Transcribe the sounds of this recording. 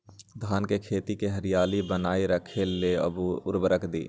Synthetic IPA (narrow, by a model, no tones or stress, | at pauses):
d̪ʱaːnkekʰeːt̪ikeɦəɾɪjaːlibənaːiɾəkʰelːeə̰bʊɾbəɾəkʰd̪ḭː